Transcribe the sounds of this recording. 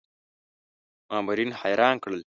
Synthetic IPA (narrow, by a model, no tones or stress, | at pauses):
mɑːmaɾinhajɾɑːnkɽəl